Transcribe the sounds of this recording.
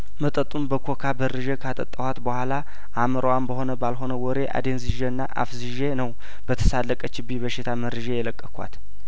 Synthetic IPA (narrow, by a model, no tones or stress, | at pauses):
mət̪ʼət̪ʼːumbəkʰo̞kʰabərːɨʒekʰat̪ʼə̰t̪ʼːəwat̪bəhʷala | ʔaməɾəwambəho̞nəbalɦo̞nəwɔɾe̞ʔa̰d̪enzɨʒeɨnːaʔa̰fzɨʒenəw | bət̪ʰə̥salːəkʼət͡ʃɪbibəʃɪt̪ʰamərːɨʒejɛləkʼːəkʰʷa̰t̪